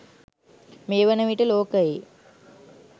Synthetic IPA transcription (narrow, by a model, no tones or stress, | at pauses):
meːʋənəʋiʈəloːkəje